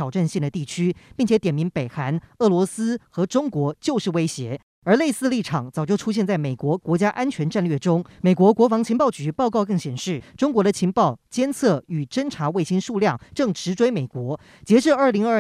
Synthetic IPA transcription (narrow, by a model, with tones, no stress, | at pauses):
ɑ˨˩ʊʈ͡ʂa˥˧nɕɛ˥˩d̪ə˩t̪i˥˩t͡ɕʰy˥pi˥˩ŋt͡ɕʰjɛ˧˥t̪jɛ˨˩nmi˧˥ŋpe˨˩ɪxa˧˥nɤ˥˩lwɔ˧˥sɹ̩˥xɤ˧˥ʈ͡ʂʊ˥ŋkwɔ˧˥t͡ɕjo˥˧ʊʂɻ̩˥˩we˥ɪɕjɛ˧˥ | ə˞˧˥le˥˧ɪsɹ̩˥˧li˥˩ʈ͡ʂʰɑ˨˩˦ŋt͡sɑ˨˩ʊt͡ɕjo˥˩ʊʈ͡ʂʰu˥ɕjɛ˥˧nt͡sa˥˩ɪme˨˩ɪkwɔ˧˥kwɔ˧˥t͡ɕja˥ʔa˥nt͡ɕʰɥɛ˧˥nʈ͡ʂa˥˧nlɥɛ˥˩ʈ͡ʂʊ˥ŋme˨˩kwɔ˧˥kwɔ˧˥fɑ˧˥ŋt͡ɕʰi˧˥ŋpɑ˥˩ʊt͡ɕy˧˥pɑ˥˧ʊkɑ˥˧ʊkɤ˥˩ŋɕjɛ˨˩nʂɻ̩˥˩ʈ͡ʂʊ˥ŋkwɔ˧˥d̪ə˧t͡ɕʰi˧˥ŋpɑ˥˩ʊt͡ɕjɛ˥nt͡sʰɤ˥˩y˨˩ʈ͡ʂə˥nʈ͡ʂʰa˧˥we˥˩ɪɕi˥nʂu˥˧ljɑ˥˩ŋʈ͡ʂɤ˥˩ŋʈ͡ʂʰɻ̩˧˥ʈ͡ʂwe˥ɪme˨˩ɪkwɔ˧˥ | t͡ɕjɛ˧˥ʈ͡ʂɻ̩˥˧ə˞˥˩li˧˥ŋə˞˥